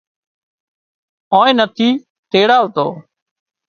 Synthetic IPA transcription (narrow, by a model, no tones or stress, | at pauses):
õːẽːnət̪ʰiː | t̪eːɽaːʋt̪o̰ː